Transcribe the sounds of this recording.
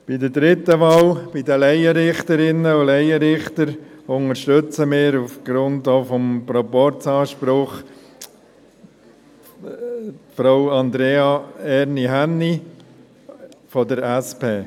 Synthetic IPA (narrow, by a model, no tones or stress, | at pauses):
b̥idədɾɪt̪ːəʋɑːlb̥idəlɛɪəɾɪχt̪əɾɪnːəʊlɛɪəɾɪχtəɾʊŋəɾʃtʏt͡səmɪːɾufɡ̥ɾʊndoːfɔmpɾɔpɔɾt͡sɑːʃpɾʊχ | tfɾawɑnd̪ɾeːɑɛɾniɦænːi | fɔdəɾæspeː